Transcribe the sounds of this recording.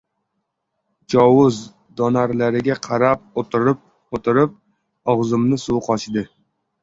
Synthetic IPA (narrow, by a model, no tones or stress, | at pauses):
d͡ʒɒwʊz | d̪ɒnaɾlaɾɪɡʲaqʰɑɾap̚ot̪ʰɪɾɪp̚ | ot̪ʰɪɾɪp̚ | ɒʁzɨmnɪsuwqʰɒt͡ʃɪd̪ɪ